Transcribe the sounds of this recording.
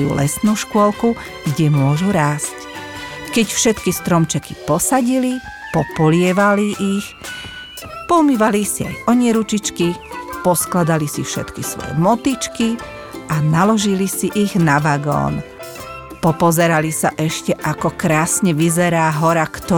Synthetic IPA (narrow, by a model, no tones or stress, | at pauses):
jṵːlɛsnuːʃkʊɔlku | ɡɟɛmʊɔʒuɾaːsc | kɛcfʃɛt̪kist̪ɾɔmt͡ʃɛki̥pɔsaɟili | pɔpɔlɪɛʋaliʔix | pɔmiʋalisia̰jɔɲɪɛɾut͡ʃit͡ʃkipɔsklad̪alisifʃɛ̰t̪kisʋɔ̰jɛ̰mɔt̪it͡ʃki | ʔanalɔʒilisiʔiɣnaʋaːɡɔ̰ːn | pɔpɔzɛɾalisaʔɛʃcɛʔakɔkɾaːsɲɛʋizɛɾaːɦɔɾakt̪ɔ